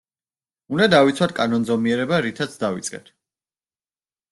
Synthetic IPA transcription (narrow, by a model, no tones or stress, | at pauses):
und̪ad̪avit̪sʰwat̪̚ʰkʼanɔnzɔmiɛɾɛbaɾit̪ʰat̪sʰd̪avḭt̪sʼqʼɛ̰t̪ʰ